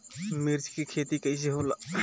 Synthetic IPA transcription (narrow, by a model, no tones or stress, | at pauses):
miɾd͡ʒkikʰet̪ikɐjseɦola